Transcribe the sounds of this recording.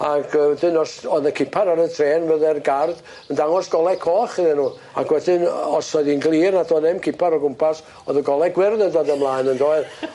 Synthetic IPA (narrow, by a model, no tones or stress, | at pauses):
akʰəwɛdɪnɔsɔðəkʰɪpʰaɾaɾəntʰreːnvəðɛrɡard̥ | əndaŋɔsɡ̥ɔlˠɛkʰɔːχəðɛnuː | a̰kʰwɛdɪnɔsɔðinɡlˠiːrnadɔːnɛmkʰɪpʰaɾɔɡʊmpʰas | ɔðəɡɔlˠɛɡwɪrnədodəmlˠaːjnəndoːɨð